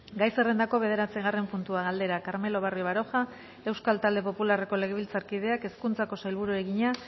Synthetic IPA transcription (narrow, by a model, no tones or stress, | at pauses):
ɡajse̞re̞nd̪ako̞βe̞ð̞e̞ɾat͡seɣare̞mpunt̪uaɣald̪e̞ɾakaɾme̞lo̞βarioβ̞aɾo̞xa | e̞wskalt̪ald̪e̞po̞pulare̞ko̞le̞ɣeβilt͡saɾkið̞e̞ake̞skunt͡sako̞sajlβuɾue̞ɣiɲa